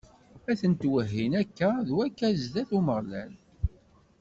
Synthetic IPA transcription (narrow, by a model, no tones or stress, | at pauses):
æθənt̪wəɦːinækːæðwækːæzðæθuməʁlæ̰l